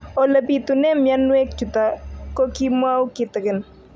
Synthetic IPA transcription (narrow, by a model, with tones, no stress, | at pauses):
ɔ˨lə˨pit̪ʊnɛ˦mja˦nwe˦k̚t͡ʃʊ˨tako˦ki˦mwa˦wkɪt̪ɪ˨kɪn